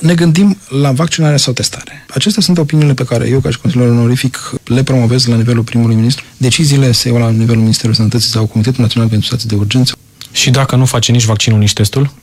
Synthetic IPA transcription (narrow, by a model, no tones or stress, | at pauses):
ne̞ɡɨnd̪imlavak̚t͡ʃinaɾeasawt̪e̞st̪ʰaɾeat͡ʃe̞st̪easunt̪o̞piniːle̞pe̞kaɾḛje̞wkaʃi̥ko̞nsilijeɾulneoɾifikle̞pɾo̞mo̞ve̞zlanive̞lulpɾimulujminist̪ɾud̪e̞t͡ʃiziːle̞sejawlanivelulminist̪e̞ɾualsənət̪ət̪sisawko̞mit̪et̪ulnat̪sionalpent̪ɾust̪at̪id̪e̞urd͡ʒe̞nt̪sə | ʃid̪akənufat͡ʃenit͡ʃvakt͡ʃinunit͡ʃʲt̪e̞st̪ul